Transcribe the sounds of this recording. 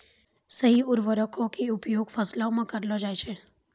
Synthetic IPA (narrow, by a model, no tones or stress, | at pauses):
səɦiʊɾʋəɾəkʰokiupjoɡfəslaomãkəɾlod͡ʒajt͡ʃʰe